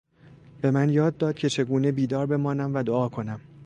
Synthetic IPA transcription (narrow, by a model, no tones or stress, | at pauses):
b̥e̞mænjɒːd̪ːɒːd̪̚cʰe̞t͡ʃʰe̞ɡuːnebiːd̪ɒːɾbe̞mɒːnæmvæd̪oɒːkʰo̞næm